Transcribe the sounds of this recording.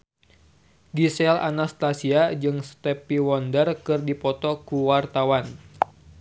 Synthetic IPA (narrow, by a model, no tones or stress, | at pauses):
ɡisɛla̰nast̪asiad͡ʒɨŋst̪ɛpiwɔndərkɨrdipɔt̪ɔkuwart̪awan